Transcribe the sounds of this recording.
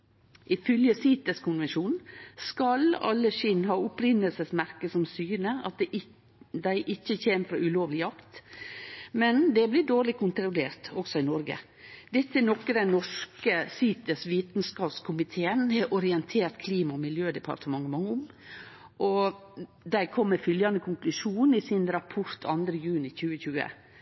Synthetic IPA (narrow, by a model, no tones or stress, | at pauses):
ʔɪfœljəsiːt̪əskʰʊnʋɛnʂuːnskɑlɑ̰lːəʃɪnɦɑːʊpɾɪnːəlsəsmæɾkəsɔmsyːnəɑt̪̚d̪ɛ | d̪æɪʔɪçːəçeːməfɾɑːʔʉloːʋlɪjɑkt̪ | mɛnd̪ɛblɪd̪oːɾɭɪkʰʊnt̪ɾʊleːɾt̪ɔksɔɪnɔɾɡə̰ | d̪ɛt̪ːɛnɔkːəd̪ɛnnɔʂkəsiːt̪əsʋiːt̪nskɑːpskʰʊmɪt̪ʰeːənhɛʔɔɾɪɛnt̪ʰeːɾt̪kʰliːmɑɔmɪljøːd̪ɛpʰɑ̰ɾt̪əmɑŋːəmɑŋːəʊm | ʔɔ | d̪æɪkʰɔmːəfʏljɑnd̪əkʰʊŋklʉʂuːnɪsɪnɾɑpʰɔɾt̪ʰɑ̰nd̪ɾəjʉːnɪçʉːəçʉːə̰